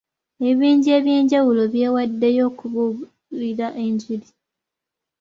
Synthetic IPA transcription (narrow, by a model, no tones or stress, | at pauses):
e̞βiːɲɟie̞ːβje̞ːɲɟawulo̞βje̞ːwadːe̞jo̞ːkuβu | iɾaʔeɲɟiɾi